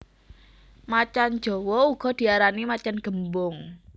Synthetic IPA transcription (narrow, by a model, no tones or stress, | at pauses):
mat͡ʃan̥d͡ʒ̥ɔ̤wɔuɡ̥ɔ̤d̪̥i̤aɾanimat͡ʃanɡ̥ə̤mbʊŋ